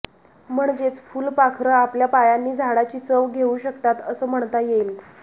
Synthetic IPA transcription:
m̤əɳd͡ʑet͡sfuːlpakʰɾəapljapajanːiːd͡zʱaɽat͡ɕiːt͡səʋɡʱeuːɕəkt̪at̪əsəːm̤əɳt̪ajejl

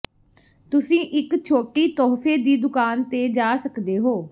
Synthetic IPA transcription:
t̪ʊsĩːʔɪkt͡ʃʰoːʈiːt̪ɔːpʰeːd̪iːd̪ʊkaːnt̪eːd͡ʒaːsəkd̪eːɦoː

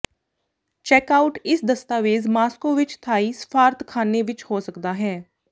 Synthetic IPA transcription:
t͡ʃɛːkaːʊʈɪsd̪əst̪aːʋeːzmaːskoːʋɪt͡ʃt̪ʰaːiːsə̥pʰaːɾt̪kʰaːneːʋɪt͡ʃhoːsəkd̪aːɦɛː

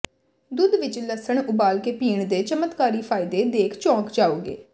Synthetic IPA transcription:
d̪ʊd̪ʋɪt͡ʃləsəɳʊbaːlkeːpiːɳd̪eːt͡ʃəmət̪kaːɾiːpʰaːɪd̪eːd̪eːkʰt͡ʃɔ̃ːkd͡ʒaːoːɡḛː

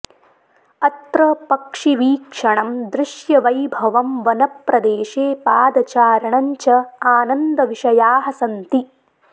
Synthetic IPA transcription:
ɐt̪ɾɐpɐkʂiʋiːkʂɐɳɐmd̪ɾɪʂjɐʋɐjbʱɐʋɐmʋɐnɐpɾɐd̪eːʃeːpaːd̪ɐt͡ʃaːɾɐɳɐɲt͡ʃɐaːnɐnd̪ɐʋiʂɐjaːɦɐsɐnt̪i

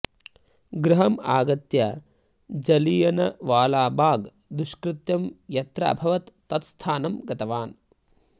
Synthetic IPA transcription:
ɡɾɐɦɐma̰ːɡɐt̪jɐ | d͡ʒɐlijɐnɐʋaːlaːbʱaːɡ | d̪uʃkɾɪt̪jɐmjɐt̪ɾa̰ɐbʱɐʋɐt̪ːɐt̪st̪ʰaːnɐmɡɐt̪ɐʋaːn

